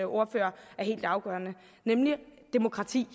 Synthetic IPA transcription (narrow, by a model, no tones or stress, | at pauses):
ʔo̝ːɐfø̰ːɐæɐɦe̝̰ːld̥ɑ̈ʊɡ̥ɶɐnə | nemlid̥e̝mo̝kʰʁɑ̈t͡sʰḭː